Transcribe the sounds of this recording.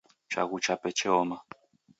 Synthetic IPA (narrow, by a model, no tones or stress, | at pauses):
t͡ʃa̰ɣut͡ʃapɛt͡ʃʰɛɔma